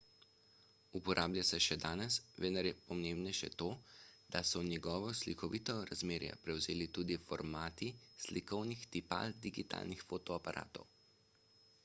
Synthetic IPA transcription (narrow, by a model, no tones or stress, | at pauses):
upɔɾʔaːbljasɛʃɛd̪aːnɛsʋɛnaɾjɛpɔmembnɛʃɛ̰t̪oːd̪̥asɔnjɛɡɔːʋɔslikɔʋit̪ɔɾazmeːɾja̰pɾɛwzeːlit̪uːd̪ifɔ̰ɾmaːt̪islikɔwnixt̪ipa̰ld̪iɡit̪a̰ːlnixfoːt̪ɔapaɾʔa̰ːt̪ɔ̰w